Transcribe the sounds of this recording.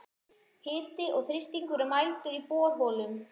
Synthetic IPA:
hɪːt̪ɪʔɔɣθɾɪst̪iŋkʏɾʏmajlt̪ʏɾipɔːɾ̥ɦɔːlʏm

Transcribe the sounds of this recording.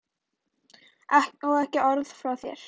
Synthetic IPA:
ɛhnɔwɛhcɪɔɾðfɾawθjɛ̰ɾ̥

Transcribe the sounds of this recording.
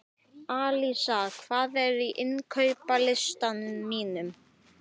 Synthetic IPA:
aːlisakʰv̥aːðɛɾiʔɪnkʰœɥpalɪst̪anʏmːiːnʏm

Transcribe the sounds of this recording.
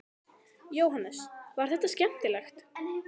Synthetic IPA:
joːwɦanːɛsvaɾ̥θɛht̪ːascɛn̥t̪ɪlɛxt̪

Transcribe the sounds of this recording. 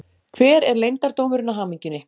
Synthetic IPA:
kʰvɛːɾɛɾlejnt̪aɾ̥t̪owmʏɾʏnːaɦaːmiɲcʏnːɪ

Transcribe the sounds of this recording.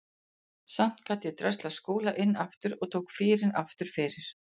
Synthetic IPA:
sam̥t̪kʰat̪jɛt̪ɾœst̪laskoːlaʔɪnːaft̪ʏɾɔɣt̪ʰoːwkfɪːɾɪnaft̪ʏɾ̥fɪːɾɪɾ̥

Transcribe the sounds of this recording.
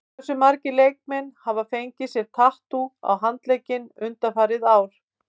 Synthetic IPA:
sʏmaɾcɪlejk̚mɛnhavafejɲcɪsjɛɾ̥t̪ʰaht̪ua̰wɦant̪lejcɪnʏnt̪afaːɾɪðaːwɾ̥

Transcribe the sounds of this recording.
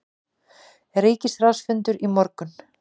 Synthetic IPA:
ɛɾeːjcɪsrawsfʏnt̪ʏɾimɔɾkʏn

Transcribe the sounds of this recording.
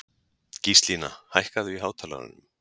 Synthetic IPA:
cist̪liːna̰hajhkaðʏiɦaːwt̪ʰaːla̰ðʏ̰nʏm

